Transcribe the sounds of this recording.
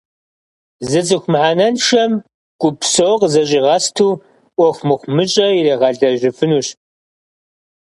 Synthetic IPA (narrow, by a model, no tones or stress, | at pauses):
zɨt͡sʼɨxʷmħaːnɐnʃɐm | kʷʼʊpsowqzɐɕʼiːʁɐstʰuː | ʔʷɔxʷmɨχʷmɨɕʼɐjirɐːʁɐɮɐʒɪfɨnuːɕ